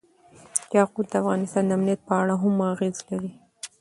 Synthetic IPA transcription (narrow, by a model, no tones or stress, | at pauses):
jɑqud̪̚d̪əafɣɑnɪst̪ɑnd̪aamnijat̪̚pəaɽaɦamaɣezlaɾi